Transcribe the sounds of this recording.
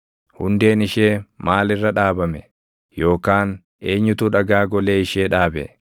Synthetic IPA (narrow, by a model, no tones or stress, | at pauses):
hʊnd̪e̞ːnɪʃe̞ːmaːlɪrːɐᶑaːbɐmɛ̰ | jo̞ːkaːn | e̞ːɲːʊt̪uᶑɐɡaːɡɔleːɪʃeːᶑaːbɛ̰